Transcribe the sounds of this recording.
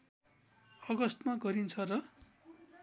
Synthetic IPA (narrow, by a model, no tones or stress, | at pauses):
ʌɡʌst̪maɡʌɾint͡sʰʌrʌ